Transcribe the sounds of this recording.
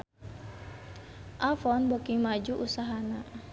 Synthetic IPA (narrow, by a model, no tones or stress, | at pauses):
ʔafɔnbokiŋmad͡ʒuʔusaɦana